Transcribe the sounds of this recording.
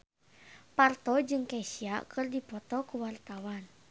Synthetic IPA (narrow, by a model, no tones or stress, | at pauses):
part̪ɔd͡ʒɨŋkɛsiakʰɨrdipɔt̪ɔkuwart̪awan